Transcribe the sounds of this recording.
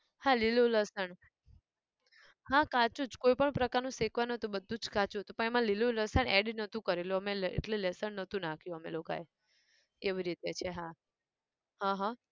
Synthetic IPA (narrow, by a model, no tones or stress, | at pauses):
hãliluləsəɳ | ɦãkat͡ʃũd͡ʒkoipəɳpɾəkaɾnũsekʋanət̪ũbəd̪ʱũd͡ʒkat͡ʃut̪opəɳemãliluləsəɳeɖnət̪ʰũkəɾeloəmeḛʈlelɛsəɳnət̪ʰũnakʰjũəmḛloka̰e | keʋiɾit̪et͡ʃʰeɦã | ɦãɦã